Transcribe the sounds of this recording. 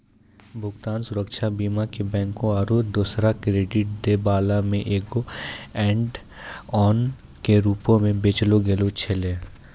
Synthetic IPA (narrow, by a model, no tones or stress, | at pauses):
bʱʊɡt̪aːnsʊɾəkʃabiːmakebɛ̃ːŋkõaːɾuːd̪oːsɾakɾeːɖɪʈ̚d̪eːbaːlamẽʔeːkoɛ̃ːɳɖ | ɔːn | keɾuːpõmẽbeːt͡ʃloɡelot͡ʃʰeleː